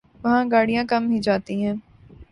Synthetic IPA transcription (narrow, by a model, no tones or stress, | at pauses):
ʋɐɦãɡaːɽijãkɐmɦĩd͡ʒaːt̪iɦɛ̃ː